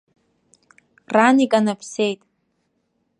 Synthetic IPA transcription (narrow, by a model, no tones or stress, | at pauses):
ranikʼanɨpʰsejtʼ